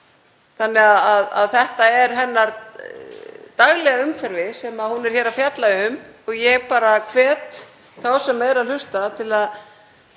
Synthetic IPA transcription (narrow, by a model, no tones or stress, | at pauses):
θanːɛɣaðaða̰ðθɛht̪aɛɾɦɛnːaɾ | t̪aɣlɛɣaʏmfɛɾvɪsɛmahunɛɾ̥hçɛːɾafjat̪laʏmɔɣjɛɣpaːɾakʰvɛːt̪ | θawsɛmːɛjðɾaðlʏst̪at̪ʰɪlað